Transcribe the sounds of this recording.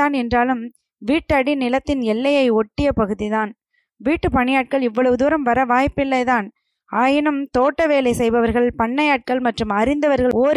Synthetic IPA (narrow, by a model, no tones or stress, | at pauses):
aːnɛndraːlɯm | ʋiːʈːɐɽinɪlɐt̪ːɪnɛlːɐjɐɪɔʈːɪjɐpɐɣɯðiðaːn | ʋiːʈːɯpɐɳɪjaːʈ̚kɐɭɪʋːɐɭɐʋɯðuːɾɐmʋɐɾɐʋaːjpːɪlːɐɪðaːn | aːjɪnɯmt̪oːʈːɐʋeːlɐɪsɛjbɐʋɐɾɣɐɭpɐɳːɐjaːʈ̚kɐɭmɐʈrɯmɐɾɪnd̪ɐʋɐɾɣɐoːɾ